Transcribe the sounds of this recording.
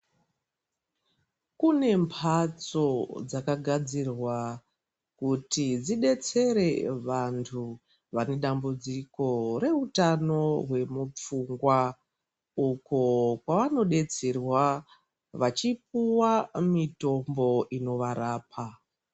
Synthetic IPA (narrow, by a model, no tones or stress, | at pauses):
kune̞mpʰat͡so̞d͡zakaɡʱad͡zirwa | kutid͡ziɗe̞t͡se̞ɾe̞ʋantʰu | ʋane̞ɗambud͡ziko̞re̞utano̞ɦwe̞mup͡fuŋɡwa | uko̞kwaʋano̞ɗe̞t͡serwa | ʋat͡ʃip̚uwamito̞mbo̞ino̞ʋaɾaːpʰa